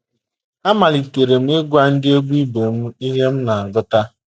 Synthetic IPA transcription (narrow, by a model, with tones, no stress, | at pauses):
a˦ma˨li˨ke˨ɾe˨m̩˦e˦ɡʷa˦n̩˦dɪ˦e˦ɡu˦i˦be˨m̩˦i˦ɦe˦m̩˦na˨a˨ɡʊ˦ta˦